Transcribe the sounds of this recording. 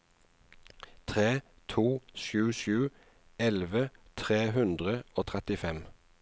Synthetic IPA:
t̪ʰʁeː | t̪ʰuːʃjʉːʃjʉː | ɛlʋət̪ʰʁeːhʉnd̪ʁəoːt̪ʰʁɛt̪ɪfɛm

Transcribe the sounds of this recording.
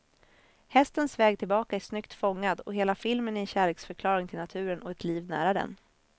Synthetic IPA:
hɛst̪ənsvɛːɡ̚t̪ʰɪlbɑːkaæʂnʏkt̪fɔŋːad̪ɔ̰ɦeːlafɪlmənɪɛɕæːɭeːksfœɾkʰlɑːɾɪŋt̪ʰɪlnat̪ʰʉ̟ːɾənʔɔɛt̪ʰliːvnæ̰ːɾad̪ɛ̰n

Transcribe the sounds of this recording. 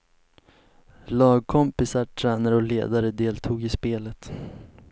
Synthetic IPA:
lɑːɡ̚kʰɔmpɪsaʈʰɾɛːnaɾɔlḛːd̪aɾəd̪eːlt̪ʰuːɡɪspeːlət̪

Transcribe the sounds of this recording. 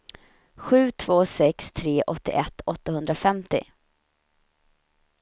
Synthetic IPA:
ɧʉ̟ːt̪ʰv̥oːsɛkst̪ʰɾeːʔɔt̪ːɪ̰ʔɛt̪ːɔt̪ːahɵnd̪ɾafɛmt̪ɪ̰

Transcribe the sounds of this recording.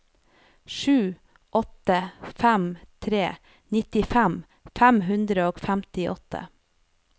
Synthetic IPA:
ʃʉː | ʔɔt̪əfæmt̪ʰɾeː | nɪt̪ɪfæm | fæmɦʉnd̪ɾəoːɡfæmt̪ɪʔɔt̪ʰə̰

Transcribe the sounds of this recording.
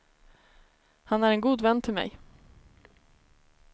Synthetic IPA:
hanæɾɛnɡuːd̪vɛnːt̪ʰɪlmɛ̰j

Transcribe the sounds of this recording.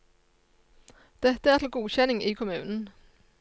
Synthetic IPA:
d̪̥ɛt̪ːəæɐt̪ʰɪlɡ̥uːɕɛnɪŋikʰʊmʉ̰ːnn̩

